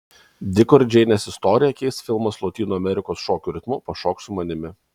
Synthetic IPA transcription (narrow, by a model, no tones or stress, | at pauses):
d̪ʲɪkɔɾʲd͡ʒʲɛɪnʲɛːsʲɪst̪ɔːɾʲɪjɛkʲɛɪst̪fʲɪlˠmɐslˠɔt̪ʲiːnuːɐmʲɛɾʲɪkoːsʃoːkʲuɾʲɪt̪muːpɐʃɔːksʊmɐnʲɪmʲɪ